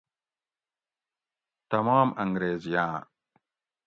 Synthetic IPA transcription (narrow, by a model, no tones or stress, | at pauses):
t̪ɐmaːmɐŋɡɾeːzijaː